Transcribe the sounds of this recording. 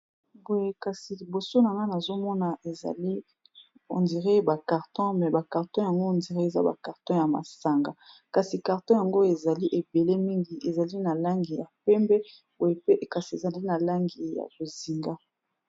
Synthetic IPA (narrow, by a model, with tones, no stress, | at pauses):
bo˨je˦ka˨si˨li˨bo˨so˦na˨ŋa˦na˨zo˦mɔ˦na˨e˨za̰˨li˦ | o̰˨ndi˨ʁe˦ba˨ka˨ʁtɔ̃˦mɛ˨ba˨ka˨ʁtɔ̃˦ja˨ŋɡo˦˨ndi˨ʁe˦e˨za̰˦ba̰˨ka˨ʁtɔ̃˦ja˨ma̰˨sa˨ŋɡa˨ka˨si˨ka˨ʁtɔ̃˦ja˨ŋɡo˦e˨za˨li˦ʔe˨be˨le˦mi˦ŋɡi˨e˨za˨li˦na˨la˦ŋɡi˨ja˨pɛ˦mbɛ˦ | bo˨je˦pe˦ka˨si˨e˨za˨li˦na˨la˦ŋɡi˨ja̰˨zo˨zi˨ŋɡa˦